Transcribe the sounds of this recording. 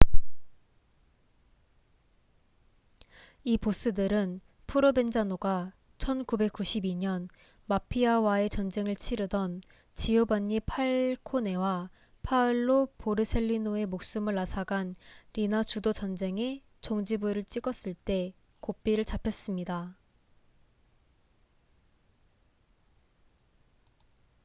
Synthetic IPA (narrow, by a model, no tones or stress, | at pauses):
ipos͈ɯdɯɾɯn | pʰuɾobe̞nd͡ʑanoɡa | t͡ɕʰʌnkube̞k͈uɕʰibiɲʌn | mapʰiawae̞t͡ɕʌnd͡ʑe̞ŋɯɭt͡ɕʰiɾɯdʌn | t͡ɕiubaɲːipʰaɭkʰone̞wa | pʰaɯɭːopoɾɯsʰe̞ʎːinoe̞mok̚s͈umɯɭːasʰaɡanɾinat͡ɕudot͡ɕʌnd͡ʑe̞ŋe̞ | t͡ɕoŋd͡ʑibuɾɯɭt͡ɕ͈iɡʌs͈ɯɭt͈e̞ | kop͈iɾɯɭt͡ɕapʰjʌs͈ɯmɲida